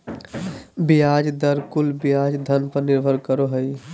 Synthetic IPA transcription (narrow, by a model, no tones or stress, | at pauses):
bijad͡ʒd̪əɾkulbijad͡ʒd̪ʱənpəɾniɾbʱəɾkəɾoɦəj